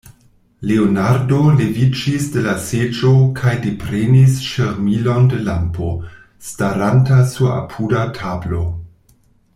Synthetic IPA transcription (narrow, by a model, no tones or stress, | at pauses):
leonaɾdo̞levid͡ʒisde̞lased͡ʒo̞kʰajdepɾenisʃeɾmilo̞nde̞lampo̞ | staɾantasua̰pʰudatʰablo̞